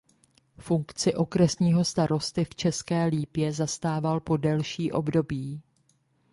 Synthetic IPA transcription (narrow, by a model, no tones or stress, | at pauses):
fuŋkt͡sɪʔo̞kɾɛsɲiːɦo̞st̪aɾo̞st̪ɪft͡ʃɛskɛːliːpjɛzast̪aːvalpo̞dɛlʃiːʔo̞bdo̞biː